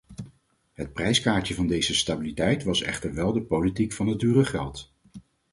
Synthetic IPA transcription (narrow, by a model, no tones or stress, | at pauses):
ɦət̚prɛjskaːɹtəvɑndejzəstabilitɛjtʋɑsɛ̰χtəɹʋɛlˠdəpolitikfɑnət̚dyːrəχɛlˠt